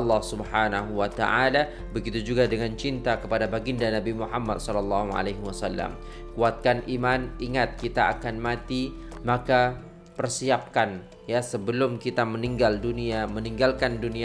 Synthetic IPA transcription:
ɑlːɑhsubħanaɦuwat̪a̰ʔala | bəɡit̪ud͡ʒuɡadəŋant͡ʃint̪akəpadabaɡindanabimuħamːad̪̚sɔlɑlːɑɦua̰lajɦwasalːa̰m | kuat̪̚kanʔimanʔiŋat̪̚kit̪aakanmat̪imaka | pərsiap̚kan | jasəbəlʊmkit̪aməniŋɡalduniaməniŋɡalkandunia

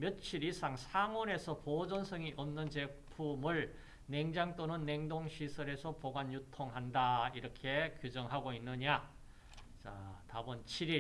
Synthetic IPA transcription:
mjʌt̚t͡ɕʰiɾisʰaŋsʰaŋʌne̞sʰʌpod͡ʑʌnsʰʌŋiʔʌmnɯnt͡ɕe̞pʰumɯɭ | ne̞ŋd͡ʑaŋt͈onɯnːeŋdoŋɕʰisʰʌɾe̞sʰʌpoɡanjutʰoŋɦandaiɾʌkʰe̞kjud͡ʑʌŋɦaɡoinːɯɲa | t͡ɕatabʌnt͡ɕʰiɾi

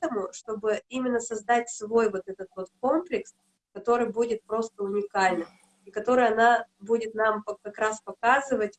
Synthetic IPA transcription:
t̪əmʊʂt̪o̞bɨimʲɪnːəsɐzd̪atʲsvo̞jvo̞t̪ɛt̪ət̪vo̞t̪ko̞mplʲɪks | kɐt̪o̞ɾɨjbudʲɪt̪̚pɾo̞st̪əʊnʲɪkalʲnɨm | ɪkɐt̪o̞ɾɨjɐnabudʲɪt̪nampɐkɐkɾaspɐkazɨvətʲ

